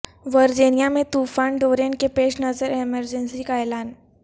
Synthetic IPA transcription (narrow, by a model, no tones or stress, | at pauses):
ʋəɾd͡ʑinijamet̪ufaɳɖoɾẽɳkepeɕnəzəɾeməɾd͡ʑənsikajlaːn